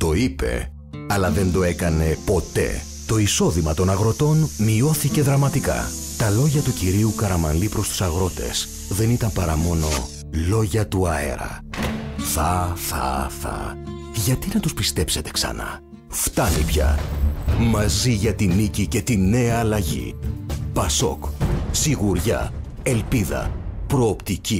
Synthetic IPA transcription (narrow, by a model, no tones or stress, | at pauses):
t̪o̞ipe̞̰ | ɐlɐðe̞nd̪o̞e̞kɐne̞po̞t̪e̞̰ | t̪o̞iso̞ðimɐt̪o̞nɐɣɾo̞t̪o̞nmio̞θice̞ðɾɐmɐt̪ikɐ̰ | t̪ɐlo̞ʝɐt̪uciɾiukɐɾɐmɐ̰nlipɾo̞st̪u̥sɐɣɾo̞t̪e̞̰s | ðe̞nit̪ɐmpɐɾɐmo̞no̞ | lo̞ʝɐt̪uɐe̞̰ɾɐ̰ | θɐθɐ̰θɐ̰ | ʝɐt̪inɐt̪uspist̪e̞pset̪e̞̥ksɐ̰nɐ̰ | ft̪ɐnipçɐ̰ | mɐziʝɐt̪inicice̞t̪ine̞ɐːlɐʝḭpɐso̞̰ksiɣuɾʝɐ̰ | e̞lpiðɐ̰pɾo̞ːpt̪ici